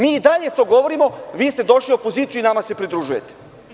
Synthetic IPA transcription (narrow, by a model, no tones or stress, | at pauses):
miːid̪aʎe̞t̪o̞ːɡo̞ʋo̞ɾimo̞ʋiːst̪e̞d̪o̞ʃliopo̞ziːt̪sijuinamase̞pɾid̪ɾuʒuje̞t̪e̥